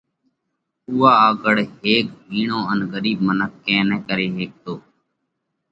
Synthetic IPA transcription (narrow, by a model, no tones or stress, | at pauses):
uːaːaːɡəɽɦeːk̚biːɳõːənɡəɾiːbmənəkːɛ̃ːnɛ̃ːkəɾeːɦeːk̚t̪oː